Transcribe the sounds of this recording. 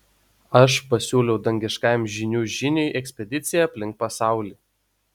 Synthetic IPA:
ɐʃpɐsʲuːlʲɛʊd̪ɐŋʲɡʲɪʃkɑˑɪmʒʲɪnʲuːʒʲɪnʲɛɪʔɛksʲpʲɛd̪ʲɪt̪sʲɪjɛɐpʲlʲɪŋk̚pɐsɑˑʊlʲiː

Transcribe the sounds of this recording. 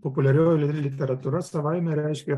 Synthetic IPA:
pɔpʊlʲɛɾʲoːjʊlʲɪd̪ʲɾʲɪlʲɪt̪ʲɛɾɐt̪uɾɐsɐʋaɪmʲɛɾʲæɪʃʲkʲɛ

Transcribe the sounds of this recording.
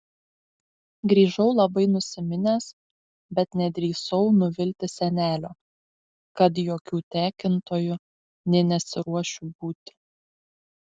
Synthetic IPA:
ɡɾʲiːʒɐʊlˠɐbɐɪnʊsʲɪmʲɪnʲeːs | bʲɛt̪nʲɛd̪ʲɾʲiːsɐʊnʊʋʲɪlʲt̪ʲɪsʲɛnʲæːlʲoː | kɐt̪̬joːkʲuːt̪ʲæːkʲɪnt̪oːjʊ | nʲɛnʲɛsʲɪɾuɔʃʲʊbuːt̪ʲɪ̥

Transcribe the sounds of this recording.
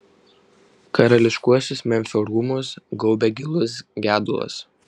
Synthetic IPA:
kɐɾɐlʲɪʃkuɔsʲɪsmʲɛmʲfʲoɾuːmʊsɡɔʊbʲɛɡʲɪlˠʊsɡʲæːd̪ʊlˠɐ̰s

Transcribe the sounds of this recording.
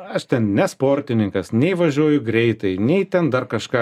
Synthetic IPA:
ɐʃt̪ʲɛnnʲɛspoːrʲt̪ʲɪnʲɪŋkɐsnʲɛɪʋɐʒʲuɔjʊɡɾʲɛɪt̪ɐɪnʲɛɪt̪ʲɛnd̪ɐrkɐʃkɑː

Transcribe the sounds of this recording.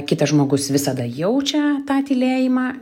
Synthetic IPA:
kʲɪt̪ɐʒmoːɡʊsʋʲɪsɐd̪ɐjɛʊt͡ʃʲɛt̪ɑːt̪ʲɪlʲeːjɪmɑː

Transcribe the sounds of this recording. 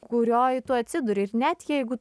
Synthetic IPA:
kʊɾʲoːjɪt̪uːɐt̪ʲsʲɪd̪ʊɾʲɪɪɾnʲɛt̪jɛɪɡʊ

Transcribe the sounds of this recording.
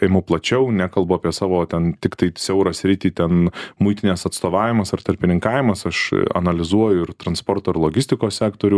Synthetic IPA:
eɪmɐplˠɐt͡ʃʲɛʊnʲæːkɐlˠbʊɑːpʲiɛsɑːʋoːt̪ʲɛnt̪ʲɪkt̪ɐɪsʲɛʊɾɐsʲɾʲɪt̪ʲiːt̪ʲɛnmʊɪt̪ʲɪnʲɛːsɐt̪st̪oːʋɑːʋʲɪmɐsɐrt̪ɐɾʲpʲɪnʲɪŋkɑːʋʲɪmɐsɐʃɐ̰nɐlʲɪzuɔjʊɪɾt̪ɾɐnspoːrt̪oːɪɾlˠoːɡʲɪsʲt̪ʲɪkoːsʲsʲæːkt̪oːɾʲʊ

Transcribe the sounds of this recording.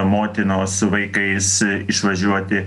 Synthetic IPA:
moːt̪ʲɪnoːsʊʋɐɪkɐɪsɪʃʋɐʒʲuɔt̪ʲɪ

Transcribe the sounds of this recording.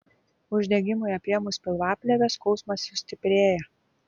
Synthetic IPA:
ʊʒʲd̪ʲɛɡʲɪmʊɪɐpʲiɛmʊsʲpʲɪlˠʋɑːpʲlʲɛʋʲɛskɔʊsmɐsjʊsʲt̪ʲɪpʲɾʲeːjɛ

